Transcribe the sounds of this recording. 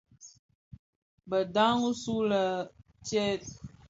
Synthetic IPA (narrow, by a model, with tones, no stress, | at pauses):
bə˨da˦ŋu˦su˦lə˨ | tjɛ˦t̚